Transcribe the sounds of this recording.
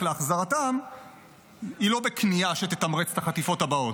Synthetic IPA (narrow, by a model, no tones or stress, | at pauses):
leaχzaʁatam | ilo̞bekʰniaʃet̪et̪amʁet͡staχat̪ifo̞tabao̞t